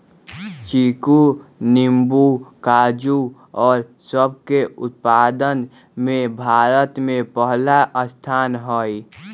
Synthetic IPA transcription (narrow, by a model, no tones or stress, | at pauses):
t͡ʃikunɪmbukaːd͡ʒu | ɔːɾsəb̚keʊt̪̚paːd̪ən | mẽbʱaːɾət̪mẽpəɦlaʔəst̪ʰaːnɦoi